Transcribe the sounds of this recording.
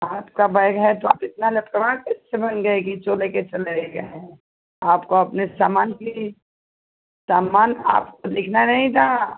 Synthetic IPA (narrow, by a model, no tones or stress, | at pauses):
aːpkabɐɪɡɦɛt̪oaːpɪt̪nalɐpkəʋakɛssebɐnɡɐekit͡ʃoːleket͡ʃɐleeɡɐɦɛ̃ | aːpkoɐpnesaːmaːnki | saːmaːna̰ːpkod̪ɪkʰnanɐɦĩt̪ʰaː